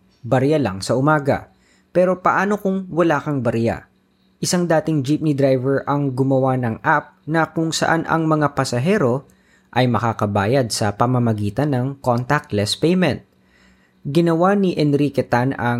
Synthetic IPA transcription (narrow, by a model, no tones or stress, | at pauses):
bɐɾjalɐŋsɐʔʊmaːɡɐ̰ | pɛːɾo̞pɐʔaːno̞kʊŋwɐlaːkɐŋbɐɾja̰ | ʔɪsaŋd̪aːt̪ɪŋd͡ʒip̚nid̪ɾajvɛɹʔɐŋɡʊmɐwanɐŋʔap̚nɐkʊŋsɐ̰ʔanʔɐ̰ŋmɐŋapɐsɐɦɛːɾo̞ | ʔɐjmɐkaːkɐbaːjɐd̪̚sɐpɐmɐmɐɡiːt̪ɐnːɐŋkont̪ɐk̚t̪lɛspɛjmɛnt̪̚ | ɡɪnɐwaniʔɛnɾikɛt̪anɐ